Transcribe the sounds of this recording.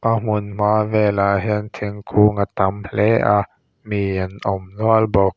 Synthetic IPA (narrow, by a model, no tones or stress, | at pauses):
ʔam̥ʊnm̥avɛlaɦint̪ʰiŋkʰuːŋat̪amlɛʔa | mianʔɔmnuəlbɔk̚